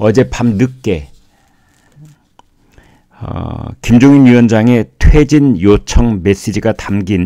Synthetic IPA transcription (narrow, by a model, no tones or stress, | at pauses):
ʌd͡ʑe̞pamnɯkk͈̚e̞ | kimd͡ʑoŋinuwʌnd͡ʑaŋe̞tʰwe̞d͡ʑinjot͡ɕʰʌŋme̞s͈id͡ʑiɡatamɡin